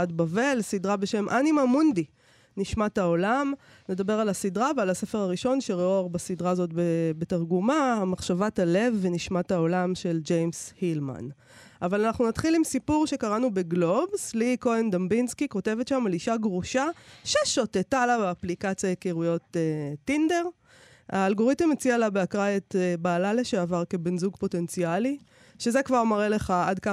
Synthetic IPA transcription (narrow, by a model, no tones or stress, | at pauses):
adbave̞lsidʁabeʃe̞mʔanimamund̪i | niʃmatao̞lam | ned̪abe̞ʁalasidʁavealase̞fe̞ʁaʁiʃo̞nʃe̞ʁeoaʁbasidʁaːzo̞tbebetaʁɡumaamaχʃavatale̞vːeniʃmathao̞lamʃe̞ld͡ʒejmshilma̰n | avalanaχnunatχilimsipuʁʃe̞kaʁanube̞ɡlo̞bsliko̞end̪ambinskiko̞te̞vetʃamaliʃaɡʁuʃaʃeʃotetalabeaplikat͡sjajekeʁujo̞teinde̞ʁ | a̰ːlɡo̞ʁitemet͡sialabeakʁaetbaːlaleʃeavaʁke̞benzuɡpo̞te̞nt͡siali | ʃe̞zekvaʁmaʁeleχaadka